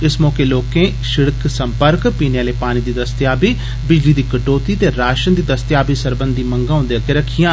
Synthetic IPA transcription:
ɪsmɔːkeːloːkẽː | ʃɪɽksəmpəɾkpiːneaːleːpaːñiːd̪iːd̪əst̪jaːbiː | bɪd͡ʒliːd̪iːkəʈoːt̪iːt̪eːɾaːʃənd̪iːd̪əst̪jaːbiːsəɾbənd̪iːməŋɡãːʊ̃nd̪eakeɾəkʰːijãː

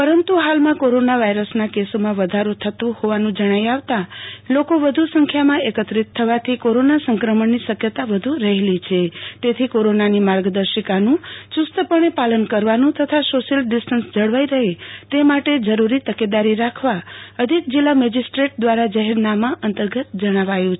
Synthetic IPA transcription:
pəɾənt̪uɦalmãkoɾonaʋaiɾəsnakesomãʋəd̪ʱaɾot̪ʰət̪ũhoʋanũd͡ʒəɽ̃ajaʋt̪alokoʋəd̪ʱusəŋkʰjamãekət̪ɾit̪ʰːəʋat̪ʰikoɾonasəŋkɾəməɳniʃəkjət̪aʋəd̪ʱuɾəɦelit͡ʃʰet̪et̪ʰikoɾonanimaɾɡd̪əɾʃəkanũt͡ʃust̪əpəɽ̃epalənkəɾʋanũt̪ʰət̪ʰasoʃəlɖisʈənsd͡ʒəɽʋaiɾəɦet̪emaʈed͡ʒəɾuɾit̪əked̪aɾiɾakʰʋaəd̪ʱik̚d͡ʒilːamɛd͡ʒisʈɾeʈ̚d̪ʋaɾad͡ʒaɦɛɾnamãʔənt̪əɾɡət̪d͡ʒəɽ̃aʋajũt͡ʃʰ

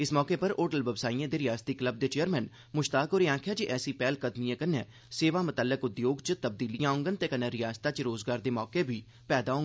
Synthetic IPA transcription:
ɪsmɔːkeːpəɾoːʈəlʋəʋsaːiãːd̪eːɾɪjaːst̪iːkləb̚d̪eːt͡ʃeːəɾmɛ̃ːn | mʊʃt̪aːkoːɾeːãːkʰjaːd͡ʒiʔɛːsiːpɛːlkəd̪mijãːkənːɛ̃ː | seːʋaːmət̪əlːəkʊd̪joːɡt͡ʃət̪əb̚d̪iːlijãːʊ̃ŋɡənt̪eːkənɛ̃ːɾɪjaːst̪aːt͡ʃɾoːzɡaːɾd̪eːmɔːkeːbʱiː | pɛːd̪aːɦõːŋɡ

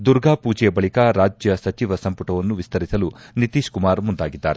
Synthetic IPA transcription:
d̪uɾɡaːpuːd͡ʒɛjɐbɐɭikaɾaːd͡ʒjɐsɐt͡ʃiʋɐsɐmpuʈɐʋɐnːuʋist̪ʰɐɾisɐlunit̪iːʃkumaːɾmund̪aːɡid̪ːa̰ːɾe

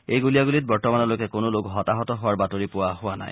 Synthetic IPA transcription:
ejɡuliaɡulit̚bɔɹtɔmanɔlojkɛkonolokɦɔtaɦɔtɔɦʊwaɹbatoɹipʊwaɦʊwana̰j

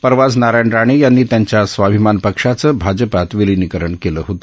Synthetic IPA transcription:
pəɾʋad͡znaɾaɳɖɾaɽ̃ijanːiːt̪jaɲt͡ɕjasʋabʱimanpəkʂat͡səːbʱad͡ʑəpat̪ʋilinikəɾəɳkeləɦot̪o

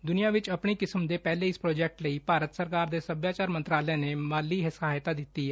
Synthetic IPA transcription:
d̪ʊnijãːʋɪt͡ʃəpɳiːkɪsəmd̪eːpɛːleːɪspɾoːd͡ʒɛːk̚ʈləiːpaːɾət̪səɾkaːɾd̪eːsəbjaːt͡ʃaːɾmənt̪ɾaːlɛɛ̃ːneːmaːlːiːɦɪsaɦaːjt̪aːd̪ɪt̪ːiː

